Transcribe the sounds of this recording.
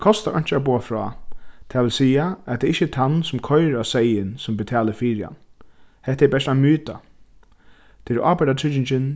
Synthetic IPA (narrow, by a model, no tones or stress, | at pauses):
kʰɔst̪aʔɔ̰jɲ̥t͡ʃabuːafɾɔ̰ːt̪ʰaʋɪlsiːaæt̪ʰɛɾɪhçːət̪ʰansʊmkʰɔʏɾasɛjɪnsʊmbɪt̪ʰɛːlɪɾfiːɹɪa̰nhɛht̪ːɛbɛʂt̪amyːt̪a̰ | t̪ʰɪɾʔaːpaʈ̪atʰɹʏt͡ʃɪɲt͡ʃɪn